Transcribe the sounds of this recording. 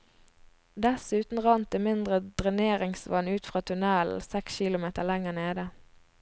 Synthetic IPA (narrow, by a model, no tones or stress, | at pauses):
d̪ɛsʉːt̪n̩ʁɑnt̪əmɪnd̪ʁəd̪̥ʁɪneːʁɪŋsʋɑnʉːt̪fʁɑːt̪ʰʉnɛl̩sɛksçiːlʊmeːt̪əʁlɛŋəneːd̪ə